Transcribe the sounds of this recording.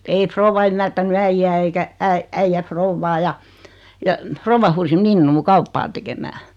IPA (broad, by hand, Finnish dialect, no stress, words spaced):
ei frouʋɑ ymːærtæny æijːæ eikæ æi æijːæ frouʋːɑː jɑ jɑ frouʋːɑ huːsi minːuː kɑupːɑː tekemæː